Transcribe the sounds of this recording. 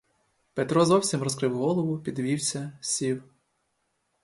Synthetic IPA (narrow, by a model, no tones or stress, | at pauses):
pet̪ɾɔzɔwsʲimrɔskɾɪwɦɔlˠɔʋʊpʲid̪ʋʲiwsʲɐsʲiw